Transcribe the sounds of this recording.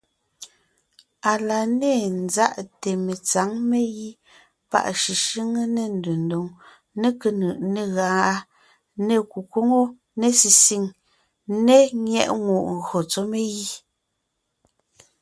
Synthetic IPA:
a˨la˨ne˦˨n̩˦za˦ʔte˨me˨t͡sa˨˦ŋme˦ji˦ | pa̰˦˨ʔʃi˨ʃi˦ŋə˦ne˦˨n̩˨du˨n˨do˨ŋ | ne˦kə˨nɯ˨ʔne˨ɣa˨˦a˦ | ne˦˨ku˨ko˦ŋo˦ | ne˦si˨si˦˨ŋ | ne˦ŋjɛ̰˦˨ʔŋu˨ʔŋ˨ɣɰo˨t͡so˦me˦ji˦

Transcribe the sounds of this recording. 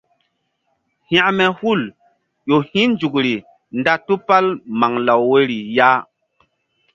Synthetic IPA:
hã˦ʔmɛ˨hu˦˨l | ʄo˨hĩ˦nd͡ʒu˨kɾi˨ | nda˦tu˦pa˦lma˨ŋla˨wːe˦ɾi˨ja˦

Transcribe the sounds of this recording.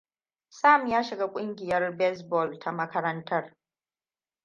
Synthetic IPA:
saː˦˨mjaː˦ʃɪ˨ɡaː˦kʷʼʊ˦ŋɡʲɪ˨jɐ˦rbɛ˦sbɔ˦˨ltʰa˨mɐ˦kɐ˦ɾɐ˦ntʰɐ˦r

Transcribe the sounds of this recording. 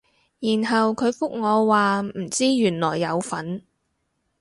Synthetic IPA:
jiː˨˩nɦɐ˨wkʰɵ˨˧ɥfʊ˥k̚ŋɔː˨˧waː˨m̩˨˩t͡siː˥jyː˨˩nlɔː˨˩jːɐ˨˧wfɐ˨˥n

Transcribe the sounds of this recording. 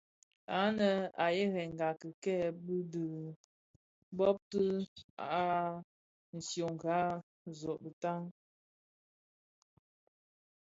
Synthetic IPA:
a˨˦nə˨a̰˨je˦ɣɛ˨ŋ˨ɡa˨kə˨kɛ˦˨bɨ˦dɨ˨ | bɔ˦p̚tə˦a̰˨a˦ | n̩˨sjo˨ŋ˨ɡa˨˦ | zɔ˨ʔbə˨ta˦ŋ

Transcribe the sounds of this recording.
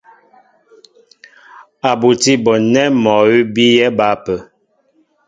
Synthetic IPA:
a˨bu˨ti˦bɔ˨nɛ˦mɔ˨wi˦bi˦jɛ˦ba˨˦pə˨

